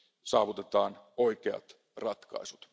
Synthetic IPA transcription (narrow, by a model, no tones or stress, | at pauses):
sɑːʋut̪e̞t̪ɑːno̞ik̟eɑ̰t̪ | rɑt̪kɑ̰isut̪